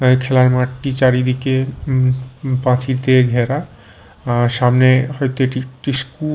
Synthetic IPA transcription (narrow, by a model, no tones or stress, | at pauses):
kʰelaɾmaʈʈit͡ɕaɾid̪ʱike | pãt͡ɕiɾt̪eɡʱɛɾa | ʃamneɦɔjt̪oeʈiʈisku